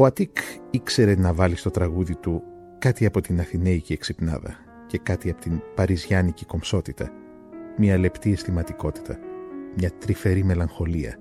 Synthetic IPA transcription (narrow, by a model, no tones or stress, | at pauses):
o̞ɐt̪ikikse̞ɾe̞nɐvɐlist̪o̞t̪ɾɐɣuðit̪u | kɐt̪iɐpo̞t̪inɐθine̞icieksipnɐ̰ðɐ̰ | ce̞kɐt̪iɐpot̪inpɐɾizʝɐniciko̞mso̞t̪it̪ɐ̰ | mɲɐle̞pt̪ie̞st̪imɐt̪iko̞t̪i̥t̪ɐmɲɐt̪ɾife̞ɾime̞lɐŋxo̞liɐ̰